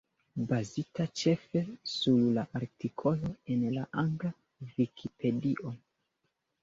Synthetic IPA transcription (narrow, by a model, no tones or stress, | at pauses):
bazitat͡ʃe̞fesuɾlaʔaɾtikʰo̞lo̞e̞nlaʔaŋɡla | vikʰipʰe̞diʔo